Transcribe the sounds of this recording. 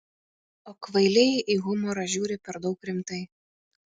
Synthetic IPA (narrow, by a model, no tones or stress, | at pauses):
oːkʋɐɪlʲɛʔiɣʊmɔɾɐʒʲuːɾʲɪpʲɛɾd̪ɒʊkɾʲɪmt̪ɐɪ